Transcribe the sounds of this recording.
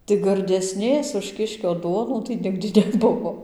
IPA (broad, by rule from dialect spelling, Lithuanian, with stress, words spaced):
tɐɪ ɡɐrʲdʲɛˈsʲnʲeːs ʊʃ ˈkʲɪʃʲkʲoː ˈduɔnuː tɐɪ ˈnʲɪɡdʲɪ nʲɛˈbʊʋoː